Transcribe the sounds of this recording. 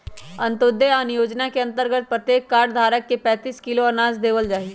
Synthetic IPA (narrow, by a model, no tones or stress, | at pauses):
ɐ̃nt̪oːd̪eaːnjoːd͡ʒnakeɐ̃nt̪əɾɡət̪̚pɾət̪jeːkːaːɾɖd̪ʱaːɾəkːepɛ̃ːt̪iːskɪloənaːzd̪eːʋəld͡ʒaːi